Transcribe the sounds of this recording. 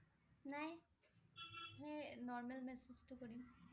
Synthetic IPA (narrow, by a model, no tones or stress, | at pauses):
naj | ɦenɔɹmɛlmɛsed͡ʒtʊkoɹim